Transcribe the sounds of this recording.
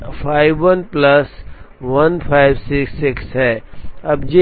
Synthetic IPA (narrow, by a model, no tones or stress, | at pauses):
pʰaɪbʋənpləs | ʋɐnpʰaɪbsɪksːɪksɦɛːɐb̚d͡ʒe